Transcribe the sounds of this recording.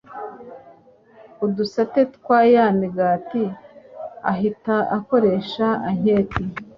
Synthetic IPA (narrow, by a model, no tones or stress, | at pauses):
udusate̞tkwaːjamiɡaːti | aɦitaako̞ɾe̞ʃaaɲeːti